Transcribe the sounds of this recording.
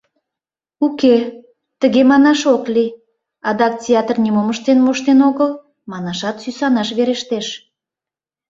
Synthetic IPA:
uke | t̪əɣemɑnɑʃokli | ɑd̪ɑk̚tʲeɑt̪rnʲimoməʃt̪enmoʃt̪enoɣəl | mɑnɑʃɑt̪sysɑnɑʃβeɾeʃt̪eʃ

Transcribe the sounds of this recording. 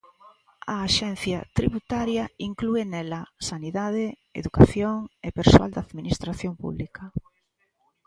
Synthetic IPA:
ɐːʃɛn̟θjɐt̪ɾiβut̪aɾjɐiŋkluenɛlɐsaniðaðe | ḛðukaθjoŋepeɾsoa̰ld̪aðminist̪ɾaθjoŋpṵβlikɐ

